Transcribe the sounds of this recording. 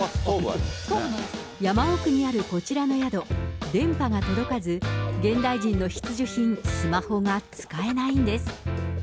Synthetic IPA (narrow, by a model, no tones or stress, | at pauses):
jamaokɯ̟ɲ̟iaɾɯ̟ko̞t͡ɕiɾano̞jad̪o̞d̪ẽ̞mpaŋat̪o̞d̪o̞kazɨɡẽ̞nd̪aiʑĩnːo̞çi̥t͡sɨʑoçĩnsɨmaho̞ŋat͡sɨ̥kae̞naĩnd̪e̞sɨ̥